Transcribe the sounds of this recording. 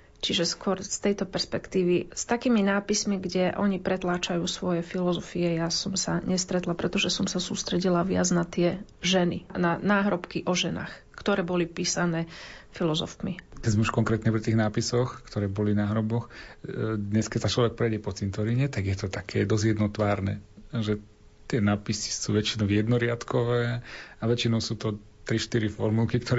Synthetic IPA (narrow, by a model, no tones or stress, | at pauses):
t͡ʃiʒɛskʊɔɾst̪ɛjt̪ɔpɛɾspɛkt̪iːʋist̪akiːminaːpismiɡɟɛʔɔɲipɾɛt̪laːt͡ʃajuːsʋɔjɛfilɔzɔfiɛjasɔmsaɲɛst̪ɾɛt̪lapɾɛt̪ɔʒɛsɔmsasuːst̪ɾɛɟilaʋɪad͡znat̪ɪɛʒɛninanaːɦɾɔpkiʔɔʒɛna̰ːx | kt̪ɔɾɛːbɔlipiːsanɛːfilɔzɔ̰fmikɛɟzmɛuʃkɔŋkɾɛːt̪ɲɛpɾit̪iːɣnaːpisɔxkt̪ɔɾɛːbɔlinaːɦɾɔbɔx | d̪ɲɛskɛsat͡ʃlɔʋɛk̚pɾɛjɟɛpɔt͡sint̪ɔɾiɲɛt̪aɡjɛt̪ɔt̪akʰɛ̰ːd̪ɔzjɛd̪nɔt̪ʋaːɾnɛ̰ʒɛ | t̪ɪɛnaːpisi̥suːʋɛt͡ʃinɔʊjɛd̪nɔɾɪat̪kɔʋɛːaʋɛt͡ʃinɔʊsuːt̪ɔ | t̪ɾiʃt̪iɾifɔɾmulkikt̪ɔɾɛ